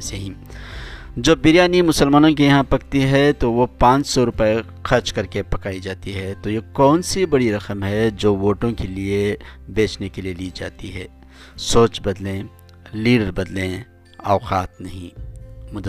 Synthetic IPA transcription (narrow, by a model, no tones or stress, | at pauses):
seɦĩ | d͡ʒobːɪɾjaːnimʊsəlmaːnõkijɐɦãpɐk̚t̪iɦɛt̪oʋopãːt͡ʃsɔɾʊpəe | xʰɐɾt͡ʃkɐɾkepɐkaːid͡ʒaːt̪iɦɛːt̪ojekɔːnsibɐɽiɾɐqəmɦɛd͡ʒoːʋoːʈõkeliebeːt͡ʃnekelieliːd͡ʒa̰ːt̪iɦɛː | soːt͡ʃbɐd̪lẽ | liːɖəɾbɐd̪lẽ | aːqaːt̪̚nɐɦḭ̃mʊd̪